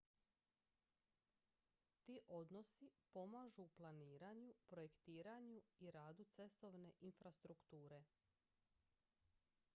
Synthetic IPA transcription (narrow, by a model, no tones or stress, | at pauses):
t̪iːʔo̞d̪no̞sipo̞maːʒuplˠaniːɾaɲupɾo̞jekt̪iːɾaɲuiɾaːd̪ut̪se̞st̪o̞ʋne̞ʔinfɾast̪ɾukt̪uːɾe̞